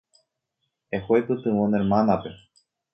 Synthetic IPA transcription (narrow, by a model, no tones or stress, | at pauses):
ehojpɨt̪ɨwoneɾmanape